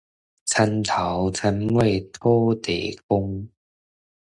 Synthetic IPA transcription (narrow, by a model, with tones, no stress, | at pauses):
t͡sʰa˧nt̪ʰa˨˦wt͡sʰa˧nwe˥˧˩jt̪ʰɔ˦˥t̪e˨˦kʊ˧ŋ